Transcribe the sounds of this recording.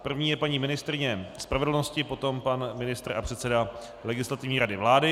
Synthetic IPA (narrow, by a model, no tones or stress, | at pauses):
pr̩vɲiːjɛpaɲiːmɪnɪst̪ɾɪɲɛspɾavɛdl̩no̞scɪpo̞t̪o̞mpanmɪnɪst̪ra̰pr̥ɛt̪sɛda | lɛɡɪslat̪ɪvɲiːɾadɪvlaːdɪ